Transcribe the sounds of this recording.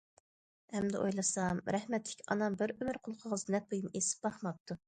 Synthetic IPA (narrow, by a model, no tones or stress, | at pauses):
ɛmd̪ɪ̰ʔo̰jlˠɨsɑmɾɛhmɛt̪ʰːɪ̥kʲʰɑ̰nɑmbɪɾømɪɾqʰʊlˠqʰəʁəznɛt̪̚bojumesɪ̥p̚b̥ɑχmɑp̚t̪ʰːu